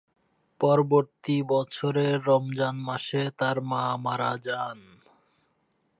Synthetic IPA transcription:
pɔɾoboɾt̪ibɔt͡ɕʰoɾeɾɔmd͡ʑanmaʃet̪aɾmamaɾad͡ʑan

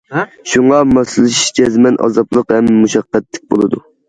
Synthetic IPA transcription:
ʃuŋɑmɑsɨlˠɨʃi̥ʃd͡ʒɛzmɛnʔɑ̰zɑplˠəqhɛmːuʃɑqːɛt̪ʰːɪ̥k̚ʲbolˠɨd̪u

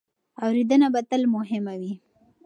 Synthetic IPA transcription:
awɾid̪ənabat̪əlmʊɦɪmawi

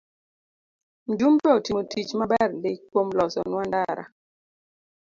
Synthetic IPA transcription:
n̩dumtɔtimotʰit͡ʃmabɛɾlekomlɔsɔ̰nwandaɾa̰

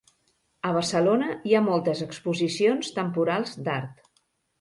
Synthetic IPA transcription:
əβ̞əsəlonəiamɔlˠt̪əzəkspuzisionst̪əmpuɾalˠzd̪aɾt̪

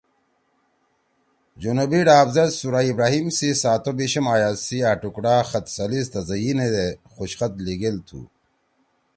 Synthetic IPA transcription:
d͡ʑunubiɖaːbzɐt̪suɾaːibɾaːɦimsisaːt̪obiɕɐmaːjaːsiaːʈukɽaːxɐt̪sɐlist̪ɐzɐined̪exoɕxɐt̪liɡelt̪ʰṵː

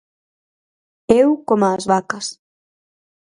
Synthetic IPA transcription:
ewkomaːzβakas

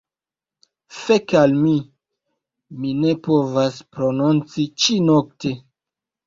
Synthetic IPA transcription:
fekalmi | mine̞po̞vaspɾo̞nont͡sit͡ʃinokte̞

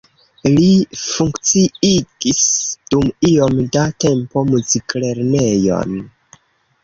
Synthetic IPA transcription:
lifuŋkt͡siiɡ̥isd̥umio̞mdate̞mpo̞muzikleɾne̞jo̞̰n

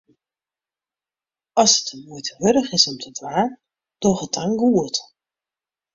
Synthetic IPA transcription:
ɑsətənmujtʰəʋɵɾəχɪsɔmtʰədʋaːɹ | d̥ɔχətʰaŋɡuət

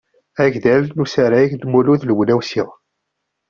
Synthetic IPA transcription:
æʝðælnusæɾæʝd̪muluðləwlæwsiʁ

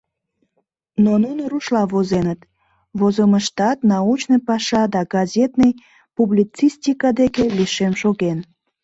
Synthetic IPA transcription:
nonunəɾuʃlɑvozenət̪ | vozoməʃt̪ɑt̪nɑut͡ɕnəjpɑʃɑd̪ɑɡɑzʲet̪nəj | publit͡sisʲtʲikɑd̪ekeliʃemʃoɣen

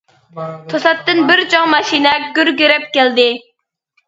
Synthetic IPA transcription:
t̪ʰosɑt̪ːɨnbɪɾt͡ʃʰɑŋmɑʃinɛɡʲyɾɡʲyɾɛp̚kʲæld̪ɪ

